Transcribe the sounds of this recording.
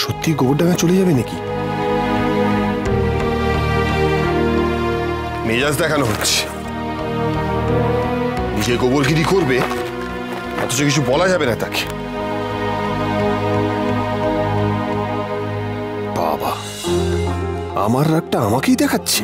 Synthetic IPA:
ʃot̪ːiɡoboɾɖakʰat͡ɕoled͡ʑabeneki | med͡ʑasd̪ɛkʰanoɦotːɕʰe̥ | nid͡ʑeɡoboɾkiɾikoɾbe | ɔ̰t̪ot͡ɕokit͡ɕʰubɔlad͡ʑabenat̪ake̥ | b̥a̰ba̰ | a̰maɾːaɡ̚ʈaamakejd̪ɛkʰatːɕʰe̥

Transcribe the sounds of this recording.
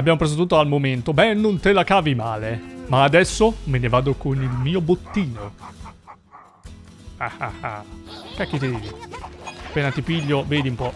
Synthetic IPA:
abːjaːmopɾeːz̬ot̪ut̪ːoalmoment̪obɛnːont̪elakaːvimaːlemaːd̪ɛsːomenevaːd̪okonilmiːobot̪ːiːno | aha̰ha̰kɛk̟ːit̪ed̪iːi | apːeːnat̪ipiʎːoveːd̪iumpɔ

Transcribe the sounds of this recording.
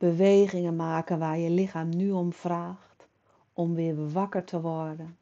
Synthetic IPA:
b̥əʋeːɣɪŋənmaːkənʋaːrjəlɪxaːmnyɔmfraːxt | ɔmʋɪəʋakərtʰəʋɔrdə

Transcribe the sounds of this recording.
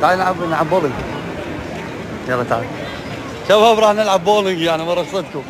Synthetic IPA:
t̪ajnʕabnʕabːoːlɪŋɡ | jɑɾˤɑt̪a̰ | kababɾˤɑːħnɪlʕabːoːlɪŋɡjaʕnimɑɾˤɑsˤɨt̪̚kʊ

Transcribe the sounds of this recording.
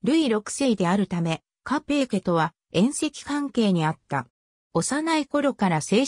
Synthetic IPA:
ɾɯ̟iɾo̞kɯ̟̥se̞id̪e̞aɾɯ̟t̪ame̞ | kape̞ːke̞t̪o̞βa | ẽ̞ɰ̃se̞kʲi̥kãŋke̞ːɲ̟iat̪ːa | o̞sanaiko̞ɾo̞kaɾase̞ː

